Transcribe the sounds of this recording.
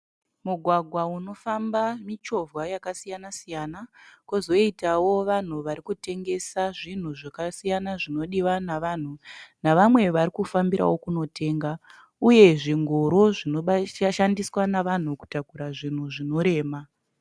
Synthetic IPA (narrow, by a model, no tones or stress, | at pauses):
muɡʱwaɡʱwauno̞fambamit͡ʃo̞vwajakasijanasijanakozo̞itawo̞ʋan̤uʋaɾikute̞ŋɡe̞saʐin̤uʐakasijanaʐino̞ɗiwanaʋan̤unaʋamwe̞ʋaɾikufambiɾa̰wo̞kunotʰe̞ːŋɡa | uje̞ʐiŋɡoɾoʐinoʃandiswanaʋan̤uku̥takuɾaʐin̤uʐino̞ɾe̞ːma